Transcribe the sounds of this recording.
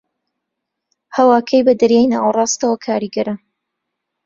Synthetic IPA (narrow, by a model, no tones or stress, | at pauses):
hɐwaːkʰɐjbɐd̪ɐɾjaːjnaːwrˤɑːst̪ɐwɐkʰaːɾiɡɐɾɐ